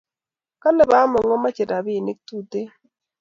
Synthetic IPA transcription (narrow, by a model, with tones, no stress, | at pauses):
ka˦ne˨βa˨˦mɔ˨ŋɔ˦ma˦t͡ʃe˨ɾa˨βi˦˨ni˦k̚tu˦˨te˦